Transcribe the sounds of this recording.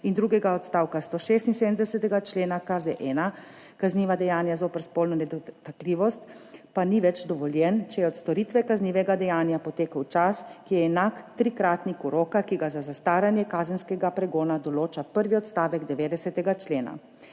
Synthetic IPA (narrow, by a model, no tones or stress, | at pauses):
ind̪ɾuːɡɛɡaɔt̪st̪aːwkast̪oːʃeːst̪inseːd̪əmd̪ɛsɛt̪ɛɡat͡ʃleːnakazɛʔɛːna | kazniʋad̪ɛjaːnjazoːpɛɾspolnɔnɛd̪ɔt̪akliʋɔst̪paniʋɛt͡ʃd̪ɔʋɔljɛnt͡ʃɛjɛɔt̪st̪ɔɾit̪ʋɛkazniːʋɛɡad̪ɛjaːnjapɔt̪eːkəwt͡ʃaskijɛːnakt̪ɾikɾaːt̪nikuɾoːkakiɡazazast̪aːɾanjɛkaːzənskɛɡapɾɛɡoːnad̪ɔloːt͡ʃapəɾʋiɔt̪st̪aːʋɛɡd̪ɛʋeːd̪ɛsɛt̪ɛɡat͡ʃleːna̰